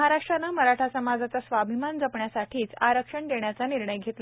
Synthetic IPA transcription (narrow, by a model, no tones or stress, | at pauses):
ɦaɾaʂʈɾanəməɾaʈʰasəmad͡zat͡sasʋabʱimand͡zəpɳjasaʈʰiːt͡saɾəkʂəɳd̪eɳjat͡saniɾɳəjɡʱet̪l